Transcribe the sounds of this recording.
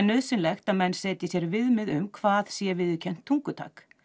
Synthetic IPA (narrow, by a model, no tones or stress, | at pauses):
nœðsɪnlɛxt̪aðmɛnːsɛːt̪ɪsjɛɾvɪðmɪðʏmkʰvaːðsjɛvɪðʏcʰɛn̥t̪ʰːuŋkʏt̪ʰa̰ːk